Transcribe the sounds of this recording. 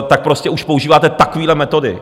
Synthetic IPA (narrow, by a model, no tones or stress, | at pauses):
t̪ak̚pɾo̞scɛʔuʃpouʒiːvaːt̪ɛt̪akoviːdlɛmɛt̪o̞dɪ̰